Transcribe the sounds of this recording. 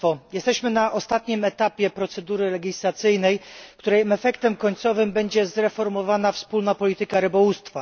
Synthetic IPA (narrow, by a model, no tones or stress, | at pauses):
fɔjɛst̪ɛɕmɘnaʔɔst̪at̪ɲimɛt̪apʲjɛpɾɔt̪sɛd̪uɾɘlɛɡʲislat̪sɘjnɛjkt̪uɾɛjmɛfɛkt̪ɛmkɔɲt̪sɔvɘmbɛɲd͡ʑɛzɾɛfɔɾmɔvanafspulnapɔlʲit̪ɘkaɾɘbɔwust̪fa